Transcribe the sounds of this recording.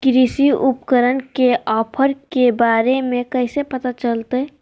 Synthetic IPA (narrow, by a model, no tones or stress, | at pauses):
kɾisiupkəɾənkeɔːpʰəɾkebaːɾemẽkəɦɪsepət̪at͡ʃəlt̪eɦ